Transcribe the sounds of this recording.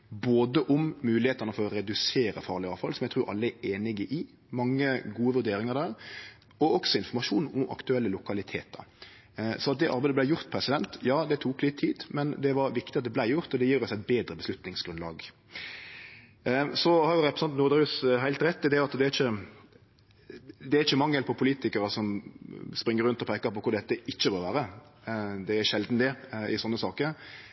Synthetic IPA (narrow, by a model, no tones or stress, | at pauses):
boːd̪əʔʊmːʉːlɪheːt̪ɑnəfɔɾɔɾɛd̪ʉseːɾə̰fɑːʁɭɪɑːʋfɑlsɔmjæɡt̪ʰɾʉːɾʔɑ̰lːəæeːnɪɡəʔɪ | mɑŋːəɡuːəʋʉɾd̪eːɾɪŋəɾd̪æːɾ | ɔɔksɔɪnfɔɾmɑʂuːnɔmɑ̰kt̪ʉɛlːəlʊkɑlɪt̪ʰḛːt̪̚d̪ɑ̰ | sɔnɑt̪̚d̪ɛʔɑɾbæɪd̪əblæɪjʊɾt̪̚pʰɾɛsɪd̪ɛnt̪jɑːd̪ɛt̪ʰuːklɪt̪ʰːiːd̪mɛnd̪ɛʋɑɾʋɪkt̪ɪɑt̪d̪ɛblæɪjʊɾt̪ɔd̪ɛjiːɾɔsæɪt̪̚beːd̪ɾəbəslʉt̪nɪŋsɡɾʉnlɑ̰ːɡ | sɔhɑɾjʊɾɛpɾɛsɑnt̪nuːɾd̪ɑɾʉːsɦæɪt̪ɾɛt̪ːɪd̪ɛɑt̪d̪ɛæɾɪçə | d̪ɛæɾɪçəmɑŋːəlpʰɔpʰʊliːt̪ɪkəɾəsɔmspɾɪŋːəɾʉnt̪ɔpʰæɪkəɾpɔkʰʊɾd̪ɛt̪ːəʔɪçːəboːʋæːɾə | d̪ɛæɾʃɛld̪n̩d̪ɛʔɪsɔnːəsɑːkəɾ